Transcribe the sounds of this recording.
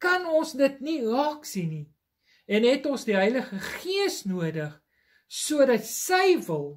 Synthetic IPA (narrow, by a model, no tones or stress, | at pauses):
kɐnɔnsdətnirɑːksini | ɛnɦɛtɔnsdiɦœjləχəχiəsnuədəχ | suədɐtsəjvəlˠ